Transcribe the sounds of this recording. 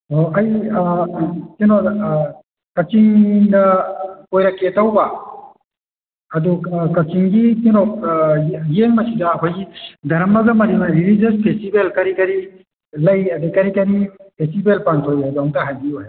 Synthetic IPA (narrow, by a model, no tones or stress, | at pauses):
oɐj | kinɔ | kɐt͡ʃiŋdɐkojɾɐkʰːetawba | ɐdukɐt͡ʃiŋɡikinɔk̚ | jeŋmɐsidɐːkʰojɡidɐɾɐmɐɡɐmɐɾimaɾilid͡ʒɐs̚pʰestibelkɐɾikɐɾi | lɐjɐdekɐɾikɐɾipʰestibelpantʰojaduaŋtɐɦajbioje